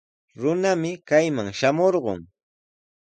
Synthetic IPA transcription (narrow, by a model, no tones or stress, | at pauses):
ɾʊnamɪkajmaŋʃamoɾɢo̰ŋ